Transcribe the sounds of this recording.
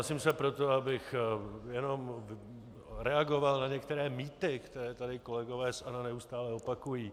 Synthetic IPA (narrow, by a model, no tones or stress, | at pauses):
simsɛpɾot̪oabɪxjɛno̞m | ɾɛaɡo̞valnaɲɛkt̪ɛɾɛːmiːt̪ɪkt̪ɛɾɛːt̪adɪko̞lɛɡo̞vɛːsʔananɛust̪aːlɛo̞pakujiː